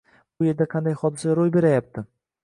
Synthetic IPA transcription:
bʊje̞ɾd̪aqʰɑnd̪ajχɒd̪ɪsaɾojbe̞ɾajap̚t̪ʰɪ

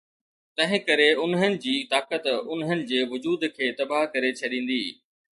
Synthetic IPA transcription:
t̪ɐ̃ɦɪ̃kɐɾeʊnɦənɪ̆d͡ʑiːt̪aːkət̪ʊnɦənɪ̆d͡ʑeːʋʊd͡ʑuːd̪kʰeːt̪ɐbaɦkɐɾet͡ɕʰɐɗĩːn̆d̪iː

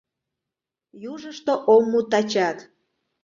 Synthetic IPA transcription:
juʒəʃt̪oʔomːut̪ɑt͡ɕɑt̪

